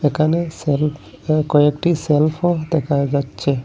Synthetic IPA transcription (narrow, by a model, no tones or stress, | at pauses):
ekaneselp | kojek̚ʈiselfʰod̪ekʰajd͡ʒat͡ʃʰe